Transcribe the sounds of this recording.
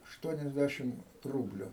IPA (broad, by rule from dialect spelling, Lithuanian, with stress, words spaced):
ɐʃˈtuɔnʲɛzʲdʲæʃʲɪm ˈruːbʲlʲʊ